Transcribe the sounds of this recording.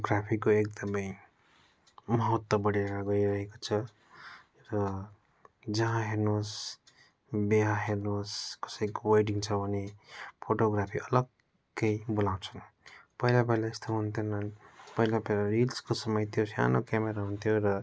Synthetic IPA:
ɡɾapʰikoek̚d̪ʌmʌj | mʌɦʌt̪wʌbʌɽiɾaɡʌiɾʌɦekot͡sʰʌ | rʌ | d͡zʌɦãɦeɾnos | beɦaɦeɾnoskʌ̥sʌjkowajʈiŋt͡sʰʌbʱʌnepʰoʈoɡrapʰiʌlʌɡː | ʌjbolaw̃t͡sʰʌn | pʌɦilapʌlaest̪ʰoɦunt̪ʰjonʌnpʌɦilapelaɾilskosʌmʌjt̪ʰjosja̰nokameɾaɦunt̪ʰjoɾʌ

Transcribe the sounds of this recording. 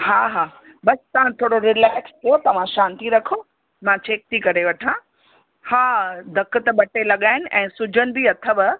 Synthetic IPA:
ɦaːɦaː | bɐst̪ɐʋ̤ãt̪ʰoːɽoɾɪlaːkst̪ʰɐjot̪ɐʋ̤ãʃãːnt̪iɾɐkʰoː | mãt͡ɕʰeːk̚t̪ikɐɾeʋɐʈʰã | haːd̪ʱɐkə̆t̪ɐɓɐʈelɐɠaːɦɪnɪ̆ʔɛ̃ːsʊd͡ʑʱənɪ̆biɐt̪ʰəbɪ

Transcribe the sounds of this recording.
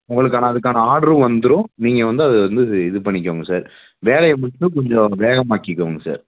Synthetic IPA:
ʊŋɡɐɭɯk̬ːaːnɐːðɯkːaːnɐaːɽɐɾɯ̃ʋɐnd̪ɯɾʊ̃niːŋɡɐʋɐnd̪ɯɐðɯʋɐnd̪ɯɪðɯpɐɳːɪk̬ʲːɐːŋɡɐsaːɾ | ʋeːlɐjɐmʊʈːɯ̃kɔɲd͡ʒɔ̃ʋeːɣɐmaːkːɪkːɐːŋɡɐsa̰ːɾ

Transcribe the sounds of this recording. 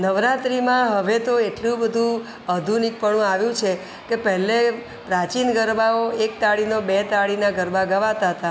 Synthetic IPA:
nəʋɾat̪ɾimãɦəʋet̪oeʈlũbəd̪ʱũ | əd̪ʱunik̚pəɳ̃ũaʋjũt͡ʃʰe | kepəɦɛle | pɾat͡ʃinɡəɾbaoek̚t̪aɭinobet̪aɭinaɡəɾbaɡəʋat̪aɦət̪a

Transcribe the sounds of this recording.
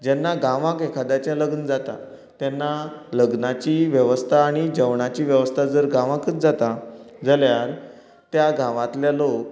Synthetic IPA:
d͡ʑɛnːaɡãʋãkekʰad̪jat͡ɕjaləɡnəd͡zat̪a̰ | t̪jɛnːaləɡnat͡ɕiːʋjəʋəst̪ʰaːɽ̃id͡ʑəʋɳat͡ɕiːʋjəʋəst̪ʰad͡zəɾɡãʋãkət͡s̪d͡zat̪ad͡zəljal | t̪jaɡãʋãt̪ljalok

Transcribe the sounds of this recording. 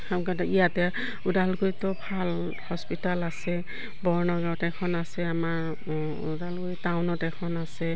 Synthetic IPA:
xamkatijatɛ | udalɡojtɔbʱal | hɔspitalasɛ | bɔɹnɔɡawtɛkʰɔnasɛamaɹ | ṵdalɡojtawnɔtɛkʰɔnasɛ

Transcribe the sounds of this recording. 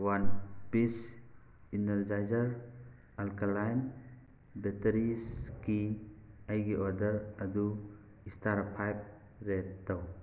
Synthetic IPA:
wanpis | intaɾd͡ʒajzəɾ | alkalajn | beteɾiskiajɡiʔɔdɐɾɐd̪u | istaɾpʰajp̚ | ɾetːaw

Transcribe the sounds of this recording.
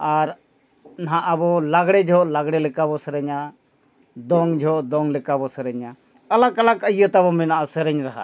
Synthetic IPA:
aɾ | naɦaʔabɔlaɡɽɛd͡ʒʱɔʔlaɡɽɛlɛkabɔsəɾɛɲa | d̪ɔŋd͡ʒʱɔʔd̪ɔŋlɛkabɔsəɾəɲa | əlakalakəjət̪abɔminaʔasəɾəɲɾaɦa̰

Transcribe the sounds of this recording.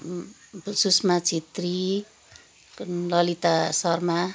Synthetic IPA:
susmat͡sʰit̪ri | lʌlit̪asʌrma

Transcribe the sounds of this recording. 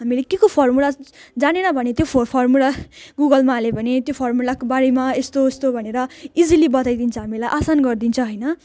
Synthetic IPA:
ɦamilekekopʰʌrmulad͡zanenʌbʱʌnet̪jopʰpʰʌrmulaɡuɡʌlmaɦːlebʱʌnet̪jopʰʌrmulakobaɾimaest̪ost̪obʱʌneɾʌid͡zilibʌt̪ajd̪int͡sʰʌ̃ɦamilajʔasanɡʌrd̪int͡sʰʌ̃ɦʌjnʌ

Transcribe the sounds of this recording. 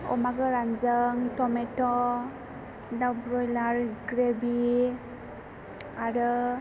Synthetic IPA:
ɔ̰maɡɯɾand͡ʒəŋtɔmetɔ | dabɾɔjlaɾɡɾebi | aɾɯ

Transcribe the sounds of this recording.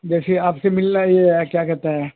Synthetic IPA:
d͡ʒɛːseaːpsemɪlnajeɛkjaːkɛɾt̪aɦɛː

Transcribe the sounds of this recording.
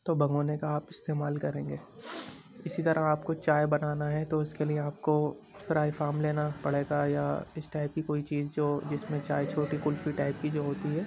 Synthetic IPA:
t̪oːbʱɐ̃ŋɡoːnekaaːpɪst̪eːmaːlkɐɾẽːŋɡeː | ɪsit̪ɐɾaɦaːpkot͡ʃaːjbɐnaːnaɦɛt̪oʊskeliẽaːp̚ko | fɪɾaːifaːmleːnapɐɽ̤eːɡajaɪsʈaːɪp̚kikoːit͡ʃiːzd͡ʒoːd͡ʒɪsmẽt͡ʃaːjt͡ʃʰoːʈikʊlfiʈaːɪp̚kid͡ʒoːɦoːt̪iɦɛː

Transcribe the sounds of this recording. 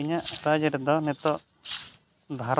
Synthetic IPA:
iɲaʔɾad͡ʒəɾɛd̪ɔnɛt̪ɔ | b̪ʱaɾ

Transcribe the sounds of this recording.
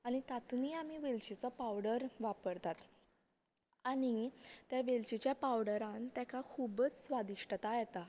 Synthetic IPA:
añit̪at̪uniamiʋelɕit͡sɔpawɽəɾʋapəɾt̪at̪ | aɽ̃it̪jaʋelt͡ɕit͡ɕjapawɽəɾãnt̪jakʰakʰubət͡ssʋad̪iʂʈət̪ajɛt̪a

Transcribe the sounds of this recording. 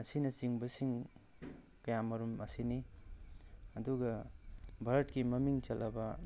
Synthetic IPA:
ɐsinɐt͡siŋbɐsiŋ | kɐjamɐɾumasini | ɐd̪uɡɐbʱɐɾʈkimɐmiŋt͡ʃɐlʔaba

